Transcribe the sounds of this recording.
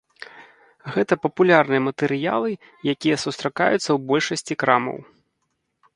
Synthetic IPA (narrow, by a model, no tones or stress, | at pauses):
ɣɛt̪ɐpɐpulʲarnɨjɐmɐt̪ɛɾɨja̰lˠɨ | jakʲijɐsust̪ɾaka̰jut̪sːɐwbɔlʲʂɐsʲt͡sʲikɾamɐ̰w